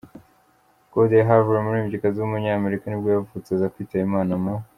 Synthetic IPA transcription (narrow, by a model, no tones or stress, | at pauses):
ɡ̥odejɦavuɾemuɾiːmɟikazuːmuɲaːme̞ɾikanibɡojavut͡sezakwiːtajimaːnamo